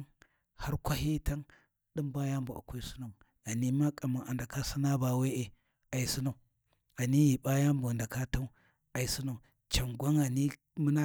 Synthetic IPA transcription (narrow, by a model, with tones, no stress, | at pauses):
ha˦ɾkʷa˦ɦi˦ta˦ŋ | ɗi˦mba˦ja˦mbu˨ʔa̰˨kʷa˦i˦su˦na˨u˨ | a˨ni˦ma˦kʼa˨ma˨ʔa˨nda˨ka˦si˦na˦ba˨we˦ʔe˨ | a˨i˨su˦na˨u˨ | a˨ni˦ji˨ba˦ja˦mbu˨a˨da˨ka˦ta˦u˦ | a˨i˨si˦na˨u˨ | t͡ʃa˨ŋɡʷa˦ŋa˨ni˦ | mu˦na˦